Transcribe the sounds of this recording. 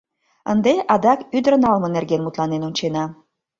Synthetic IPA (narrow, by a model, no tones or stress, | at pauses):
ənd̪eʔɑd̪ɑkyd̪əɾə̆nɑlmɤ̆nerɡenmut̪lɑnenunʲt͡ɕenɑ